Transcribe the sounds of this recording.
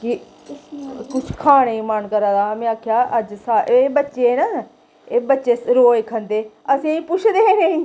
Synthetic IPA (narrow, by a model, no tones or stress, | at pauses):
kɪ | kʊt͡ʃʰkʰaːɽeːimənkəɾaːd̪aːmẽːaːkʰjaːʔəd͡ʒsaːeːbətːʃeːna | eːbətːʃeːɾoːeːkʰənd̪eː | əsĩːĩːpʊt͡ʃʰd̪eːneĩː